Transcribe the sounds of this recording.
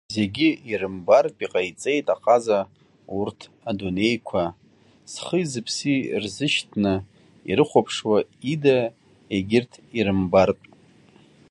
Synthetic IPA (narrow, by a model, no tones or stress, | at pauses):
ze̞ɡʲɪirɨmbarpʼiqʼajt͡sʼe̞jtʼaqʼaza | urtʰ | adunejkʷʰa | sχəzɨpʰsirzɨʃtʰnɨ | ḭɾɨχʷapʰʂwaida | eɡʲɪrtʰiɾɨmbarpʼ